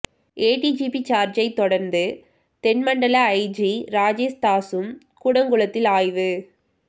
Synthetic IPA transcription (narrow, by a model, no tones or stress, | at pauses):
eːʈid͡ʒipit͡ʃaːɾd͡ʒɐɪt̪ːɔɽɐɾnd̪ɯ | t̪ɛnmɐɳɖɐlɐːɪd͡ʒiɾaːd͡ʒeːst̪aːsɯm | kuːɽɐŋɡʊɭɐt̪ːɪlaːjʋɯ